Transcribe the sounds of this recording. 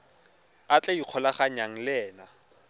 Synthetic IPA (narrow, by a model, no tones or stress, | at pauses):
at͡ɬʼeiq͡χʰɔlaχaɲaŋ̩lɛːna